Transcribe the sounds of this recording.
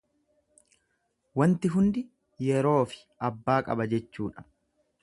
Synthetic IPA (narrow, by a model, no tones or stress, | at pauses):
wɐnt̪ɪɦʊnd̪ɪ | jɛɾo̞ːfɪ̥ | ɐbːaːkʼɐ̰bɐd͡ʒɛt͡ʃːuːᶑɐ̥